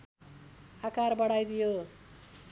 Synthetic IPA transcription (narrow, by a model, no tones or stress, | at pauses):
akarbʌɽajd̪ijo